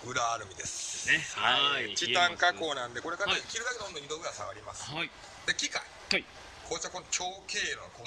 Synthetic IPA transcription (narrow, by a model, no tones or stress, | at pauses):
ɯ̟ɾaːɾɯ̟mʲid̪e̞sɨ̥nehait͡ɕit̪ãŋkako̞ːnãnd̪e̞ko̞ɾe̞kaɾakʲiɾɯ̟d̪ake̞d̪eõnoɲid̪oɯ̟ɾasaβa̰ɾʲima̰sɨ̥ | d̪e̞kʲika̰i | kʰoːt͡ɕako̞not͡ɕo̞ːke̞ːɾo̰nko